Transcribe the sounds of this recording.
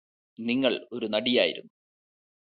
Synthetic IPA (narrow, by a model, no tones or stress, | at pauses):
niŋːɐɭo̞ɾunɐɽijaːjḭɾṵnːu